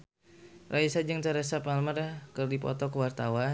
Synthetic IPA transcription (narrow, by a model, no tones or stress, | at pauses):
rʔaisad͡ʒəŋt̪aɾəsapalmərkərdipɔ̰t̪ɔkəwart̪awa